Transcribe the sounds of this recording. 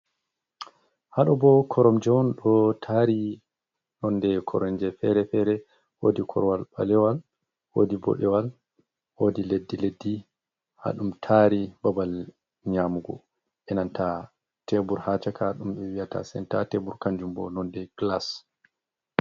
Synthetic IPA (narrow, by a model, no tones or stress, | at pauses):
haɗɔbɔkʰɔɾɔmd͡ʒɛwɔnɗɔtʰaːɾi | nɔndɛkʰɔɾɔnd͡ʒɛfɛɾɛfɛɾɛ | wodikʰɔ̰ɾwalba̰lɛwal | wodibɔ̰ɗɛwal | wodiledːiledːi | ha̰ɗumtʰaɾibabal | ɲamuɡɔ̰ | ʔɛnantʰa | tebuɾhat͡ʃakaɗumɓɛwijata̰sɛ̰ntatebuɾkaɲd͡ʒumbɔ̰nɔndɛɡ̥las